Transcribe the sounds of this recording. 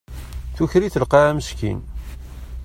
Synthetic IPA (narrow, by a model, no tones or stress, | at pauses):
θuçɾiθəlqɑæməʃkḭn